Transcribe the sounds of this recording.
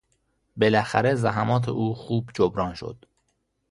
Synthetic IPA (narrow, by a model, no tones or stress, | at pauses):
be̞læxæ̰ɾezæɦæmɒːt̪ʰḛʔuːxuːbd͡ʒobɾɒːnʃo̞̰d̪̥